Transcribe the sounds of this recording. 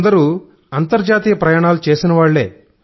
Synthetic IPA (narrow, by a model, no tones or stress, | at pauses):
d̪ɐɾuː | ɐnt̪ɐɾd͡ʒaːt̪iːjɐpɾɐjaːɳaːlut͡ʃe̞ːsinɐʋaːɭːeː